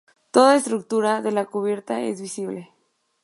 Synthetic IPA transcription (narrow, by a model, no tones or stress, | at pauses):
t̪o̞ðaest̪ɾuk̚t̪uɾaðe̞lakuβje̞ɾt̪aḛzβisiβle